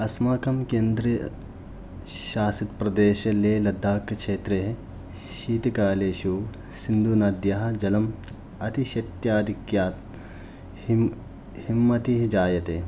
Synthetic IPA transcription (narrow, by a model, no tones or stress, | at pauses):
ɐsmaːkɐmkeːnd̪ɾi | ʃaːsɐt̪pɾɐd̪eːʃɐleːlɐd̪ʱːaːkkʃeːt̪ɾeɦe | ʃiːt̪ikaːleːʃu | sind̪unɐd̪jɐɦɐ̆d͡ʒɐlɐm | ɐt̪iʃɐt̪jaːd̪ʱikjaːt̪ | himːɐt̪iɦid͡ʒaːjɐt̪eː